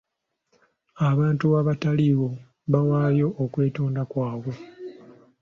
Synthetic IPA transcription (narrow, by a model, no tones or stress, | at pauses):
aβaːntuaβataliɣo̞ | βawaːjo̞ʔːkwe̞ːtoːndakwaːβwe̞